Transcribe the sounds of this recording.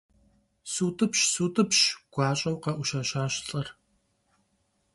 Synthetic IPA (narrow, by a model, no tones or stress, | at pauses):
suːtʰʼɨpɕsuːtʰʼɨpɕɡ̥ʷɑːɕʼɐwqɐʔʷʊʃaɕaːɕɬʼɐr